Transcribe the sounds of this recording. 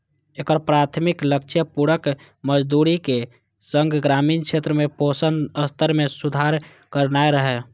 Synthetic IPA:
ekəɾpɾat̪ʰmikləkt͡ʃʰjəpuɾək | məd͡ʒd̪uɾike | səŋɡɡɾamiːnkʰet̪ɾəmeposənəst̪ʰəɾmesud̪ʱaɾ | kəɾnaeɾəɦɛ

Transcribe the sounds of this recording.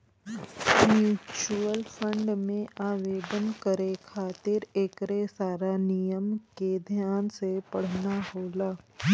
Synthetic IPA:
mjuːt͡ʃuəlfʰə̃ɳɖmẽʔaːʋeːbənkəɾekʰaːt̪ɪɾeːkɾesaːɾanijəmked̪ʱjaːnsepɐɽ̤naɦoːlaː

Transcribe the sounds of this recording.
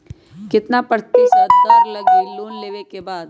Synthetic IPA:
kɪt̪napəɾt̪eːsad̪d̪ɐɡlɐɡeloːnleːʋekebaːd̪

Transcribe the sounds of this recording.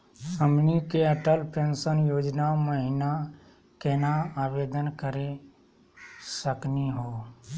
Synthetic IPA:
əmnikeəʈəlpʰẽːnsənjoːd͡ʒnaməɦɪna | keːnaaːbeːd̪ənkəɾe | səkniɦoː

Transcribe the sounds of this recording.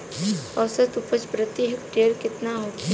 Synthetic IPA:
ɔsət̪upət͡ʃpɾət̪iɦɪkʈejəɾkɪt̪naɦoːt̪

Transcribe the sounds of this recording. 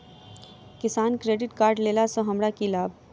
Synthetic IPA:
kɪsaːnkɾeːɖɪʈkaːɾɖleːlasõɦɐmɾakilaːb̚ʱ

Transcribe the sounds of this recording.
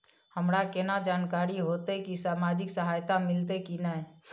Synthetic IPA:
həmɾakenad͡ʒaːnkaːɾiɦoːt̪ekisaːmaːd͡ʒɪksəɦaːjt̪amɪlt̪̬ekinaɛ

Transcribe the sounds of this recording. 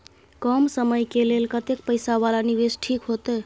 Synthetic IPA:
kəmsəməjkelelkət̪ek̚pəjsaβalaniβesʈʰikɦot̪ə

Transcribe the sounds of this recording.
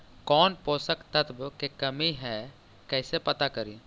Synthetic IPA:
kɔːnpoːsəkt̪ət̪bkekɐmiɦɛː | kɛːsepɐt̪akɐɾiː

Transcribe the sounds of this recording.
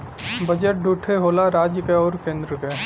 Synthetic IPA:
bəd͡ʒeʈ̚ɖʱuːʈʰeɦoːlaɾaːd͡ʒjəkeɔːɾkẽːnd̪ɾəke

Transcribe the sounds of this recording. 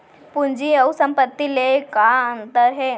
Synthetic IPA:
pund͡ʒiɐusəmpət̪ːilekaənt̪əɾɦeː

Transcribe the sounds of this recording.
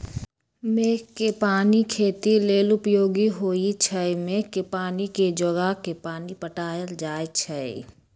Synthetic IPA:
meːkkːepaːnikʰeːt̪ileːlʊpjoːɡiɦoːit͡ʃʰəjmekːepaːniked͡ʒəɡakepaːnipəʈaːjəld͡ʒaːjt͡ʃʰəḛ

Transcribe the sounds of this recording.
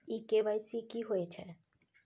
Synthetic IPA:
ikebajsikiɦoet͡ɕʰe

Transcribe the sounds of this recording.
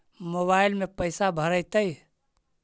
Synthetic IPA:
moβailmepəɪsabʱəɾəjt̪əj

